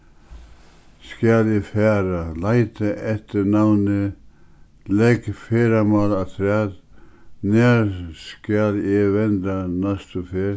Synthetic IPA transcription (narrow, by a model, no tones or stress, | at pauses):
skaljɛfɛːɾalajt̪aʔɛht̪ɪnawnɪ | lɛkfeːɾamaːlat̪ʰɾɛːð | nɛɾskaljɛʋɛnt̪anast̪ufeːɾ